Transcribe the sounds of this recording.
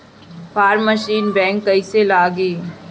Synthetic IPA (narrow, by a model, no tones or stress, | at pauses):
pʰaːɾməʃiːnbɛ̃ːŋkːɐiselaːɡiː